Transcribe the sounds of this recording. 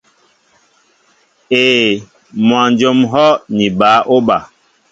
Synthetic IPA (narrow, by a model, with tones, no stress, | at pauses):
eː˨ | mwã˨nd͡ʒo˦mɦɔ˦nĩ˨ɓaː˨˦ʔo˦ɓa˨